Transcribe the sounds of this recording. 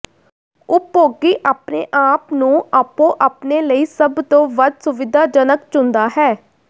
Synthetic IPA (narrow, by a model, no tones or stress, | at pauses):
ʊpːoːɡiːʔaːpnḛːʔaːpnũːaːpõːʔaːpneːləiːsəbt̪õːʋəd̪sʊʋɪd̪aːd͡ʒənəkt͡ʃʊnd̪aːɦɛː